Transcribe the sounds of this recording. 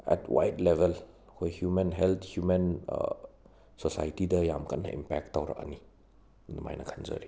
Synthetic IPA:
ɛ̰tʰwa̰jtlebʱel | hʰojhjumenɦelt̪ʰhjumen | sosajtidɐjamkʰɐnːɐ̰ʔimpɛk̚tːawɾɐ̰kɐ̰ni | numa̰jnɐkʰanzɐ̰ɾi

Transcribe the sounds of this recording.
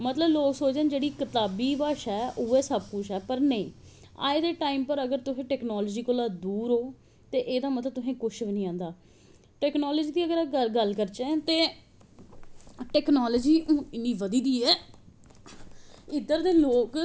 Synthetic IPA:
mət̪ləbloːksoːd͡ʒẽːnd͡ʒeːɽiːkɪt̪aːbiːbaːʃɛːʔuːɛːsəb̚kʊʃɛːpəɾnəĩː | a̰ːed̪eːʈaːiːmpəɾəɡəɾt̪ʊɦẽːʈɛːknɔːloːd͡ʒiːkoːlaːd̪uːɾɦoː | t̪eːʔeːd̪aːmət̪ləb̚t̪ʊɦẽːkʊt͡ʃʰbinĩːãːnd̪aː | ʈɛːknɔːlɔːd͡ʒiːd̪iːəɡəɾaəɡəlkəɾt͡ʃẽːt̪eː | ʈɛːknaːləd͡ʒiːõːɪnːĩːʋəd̪iːd̪iːɛː | ɪd̪əɾd̪eːloːk

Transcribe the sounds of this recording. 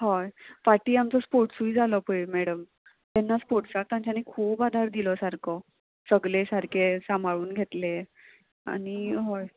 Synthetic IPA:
ɦɔjpaʈiːamt͡sɔspoɾʈsuid͡zʱalɔpəjmɛɽəm | t̪ɛnːaspoʈsak̚t̪ãɲt͡ɕanikʰuːbad̪ʱaɾd̪ilɔsaɾkʰɔ | səɡlesaɾkʰesambʱaɭuːnɡʱet̪le | a̰ñiɦɔj

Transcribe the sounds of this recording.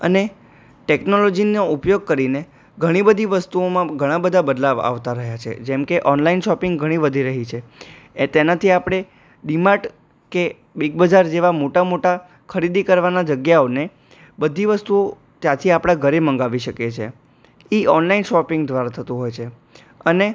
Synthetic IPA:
ə̰ne | ʈeknolɔd͡ʒinoupjoɡ̚kəɾine | ɡʱəɽ̃ibəd̪ʱiʋəst̪uomãɡʱəɽ̃ãbəd̪ʱabəd̪laʋa̰ʋt̪aɾəɦjat͡ʃʰḛd͡ʒɛmkeʔɔnlainʃɔpɪŋɡɡʱəɽ̃ibəd̪ʱiɾəɦit͡ʃʰe | t̪enat̪ʰiapɽ̃e | ɖimaʈ | ke | biɡ̚bəd͡ʒaɾd͡ʒeʋamoʈamoʈa | kʰəɾid̪ikəɾʋanad͡ʒəɡjaone | bəd̪ʱiʋəst̪uo | t̪jãt̪ʰiapɽ̃ãɡʱəɾemə̃ŋɡaʋiʃəket͡ʃʰḛ | iɔnlainʃɔpɪŋɡd̪ʋaɾat̪ʰət̪ũɦojt͡ʃʰe | əne

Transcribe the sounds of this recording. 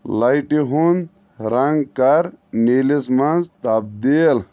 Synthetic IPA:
lɐjʈiɦund̪ | ɾɐŋɡkɐɾnilismɐnzt̪ɐb̚d̪iːl

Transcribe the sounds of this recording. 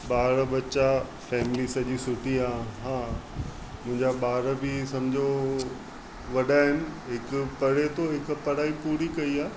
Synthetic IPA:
ɓaːɾbɐt͡ɕa | fɛːmɪlisɐʄisʊʈʰiaːɦãː | mʊ̃ɦɪ̃ɲd͡ʑaɓaːɾbʱisɐmd͡ʑʱo | ʋɐɗaɦɪnɪ̆ɦɪkʊpɐɽet̪ʰoɦɪkpɐɽaːipuːɾikɐiaː

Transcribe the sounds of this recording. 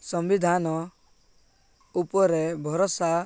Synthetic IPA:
sɔmbid̪ʱanɔ | upɔɾebʱɔɾɔsa

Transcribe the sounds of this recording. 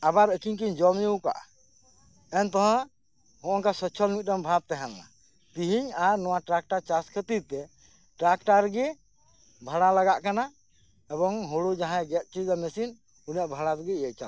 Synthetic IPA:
abaɾəkiɲkiɲd͡ʒɔmjuwka̰ʔa̰ | ɛnt̪ɔɦã | hɔ̃ʔɔŋkasɔt͡ʃʰɔlmit̪̚ˀɾɔmbʱab̚t̪ɛɦanːa̰ | t̪iɦiɲaɾnɔwaʈɾak̚ʈat͡ʃaskʰət̪id̪̚t̪ɛ | ʈɾak̚ʈaɾɡɛ | bʱaɽalaɡaʔkana | ɛbɔŋɦoɽud͡ʒaɦãɡɛt̪̚t͡ʃid͡ʒamɛsin | unijaʔbʱaɽat̪ɛɡɛiɛʔ̚t͡ʃal

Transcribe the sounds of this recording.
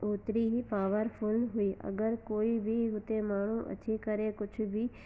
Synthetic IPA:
oːt̪ɾiɦipaːʋəɾpʰʊlɦʊiːʔɐ̰ɡəɾkoːibʱiɦʊt̪emaːɳ̤ũʔɐ̰t͡ʃʰekəɾekʊt͡ʃʰbʱiː

